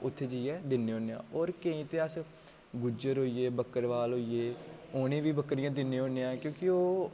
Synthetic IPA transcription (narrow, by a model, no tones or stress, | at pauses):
ʊt̪ʰːeːd͡ʒiːɛːd̪ɪnːeːoːneã̰ːɔːɾkə̃ĩːt̪eːəs | ɡʊd͡ʒəɾɦoːiːeːbəkːəɾʋaːlɦoːieːoːnẽːʋiːbəkːɾɪjãːd̪ɪnːẽːoːneãːkjõːkɪoː